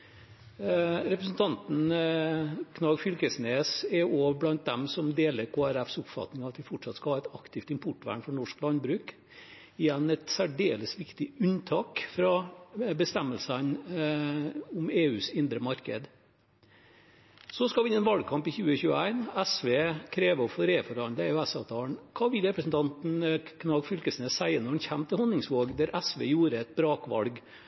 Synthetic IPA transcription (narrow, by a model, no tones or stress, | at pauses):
ɾɛpɾəsn̩t̪ʰɑnt̪n̩ | kʰnɑɡfʏlkəsneːsɛoːʋblɑnt̪̚d̪ɛmsɔmd̪eːləɾkʰoːæɾæfsʊpfɑ̰t̪nɪŋɑʋɑt̪ʋɪfɔʈʂɑt̪skɑhɑːɛt̪ɑkt̪ʰɪft̪ɪmpʰʊʈːʋæ̰ːɳfɔɳɔʂklɑnbɾʉːk | ɪjɛnːɛt̪sæɖeːləsʋɪkt̪ɪʉnt̪ʰɑːkfɾɑbəst̪ɛmːəlsən | ʊmeːʉːsɪnd̪ɾəmɑɾkə̰d̪ | sɔskɑlʋɪɪnːɛnʋɑlɡ̚kʰɑmpɪçʉːəçʉːəæɪnæsʋeːkʰɾeːʋəɔfɔɾeːfɔɾhɑnd̪əæɾjʊæsɑːʋt̪ʰɑːɳkʰɑːʋɪlɾɛpɾəsn̩t̪ʰɑnt̪n̩kʰnɑːɡfʏlkəsnəsæɪənɔɾɛnçæmːt̪ʰɪlhɔnːɪŋsʋoːɡd̪æɾʔæsʋḛːjuːɾəɛt̪̚bɾɑːkʋɑ̰lɡ